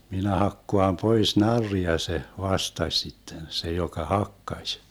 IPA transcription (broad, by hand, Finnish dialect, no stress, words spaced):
minæ hɑkːoɑm pois nɑrːiɑ se ʋɑstɑsʲ sitːen se jokɑ hɑkːɑsʲ